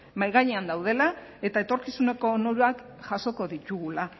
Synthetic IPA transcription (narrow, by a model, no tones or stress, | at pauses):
majɣaɲeand̪awð̞e̞lae̞t̪ae̞t̪o̞ɾkisune̞ko̞noɾuak | ʝaso̞ko̞ðit̪uɣula